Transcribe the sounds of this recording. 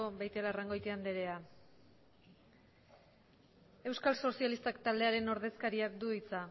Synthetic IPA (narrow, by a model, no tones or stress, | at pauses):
oβajt̪elaraŋɡo̞jt̪eand̪e̞ɾe̞a | e̞wskalso̞sialist̪akt̪ald̪e̞aɾe̞no̞ɾð̞e̞skaɾiakd̪uit͡sa